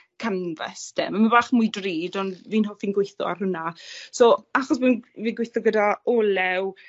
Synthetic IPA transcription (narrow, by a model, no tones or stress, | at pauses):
kʰənvɛ̰sdɛ̰məməbaːχmʊjdriːdɔnviːnɦɔfinɡwɪjθɔ̰a̰rhʊnasoːaχɔs̬bɪnviːɡwɪjθɔɡədaɔːlɛw